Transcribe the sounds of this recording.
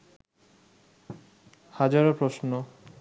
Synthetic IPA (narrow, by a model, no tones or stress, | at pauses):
had͡ʑaɾapɾosno